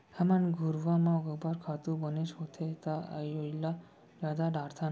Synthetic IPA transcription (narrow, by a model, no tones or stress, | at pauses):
hamanɡʱuɾʋamãɡəbaɾkʰat̪ubəneʃɦot̪ʰet̪aa̰jojla | d͡ʒad̪aɖaɾt̪ʰan